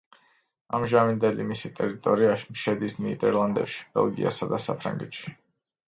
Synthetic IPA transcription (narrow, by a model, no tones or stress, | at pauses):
amʒamind̪ɛlimisit̪ʼɛɾit̪ʼɔɾiaʃimʃɛd̪isniid̪ɛɾlˠand̪ɛpʃi̥b̥ɛ̰lˠɡḭa̰sad̪asapʰɾa̰ŋɡɛt̪ʃi̥